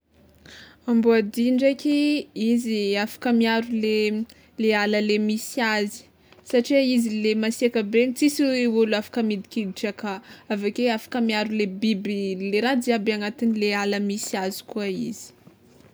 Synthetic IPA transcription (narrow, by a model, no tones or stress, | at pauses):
ambuad̪iɳɖ͡ʐekʲiiziafḁkəmiaɾule | lealəlemisiazi̥ | saʈ͡ʂiaizilemasiakəbenit͡sisieulafḁkəmid̪ikʲid̪iʈ͡ʂakaavakeafḁkəmiaɾulebibileɾad̪iabeanat̪inilealəmisiazi̥kuaḭz̥i̥